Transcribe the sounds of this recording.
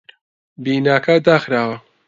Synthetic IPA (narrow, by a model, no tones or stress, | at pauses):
biːnaːkʰad̪aːxɾaːwɐ